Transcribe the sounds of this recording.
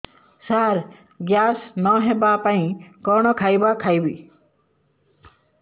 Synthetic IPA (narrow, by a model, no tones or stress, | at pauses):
saːɾ | ɡjaːsnɔːɦebapaĩkɔːnɔkʰajbaːkʰajbi